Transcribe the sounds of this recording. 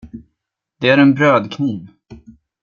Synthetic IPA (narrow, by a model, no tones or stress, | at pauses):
d̪̥ɛæɾɛnbɾøːd̪kʰniːv